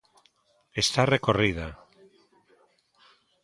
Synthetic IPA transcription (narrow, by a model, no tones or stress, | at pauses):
est̪arekorið̞a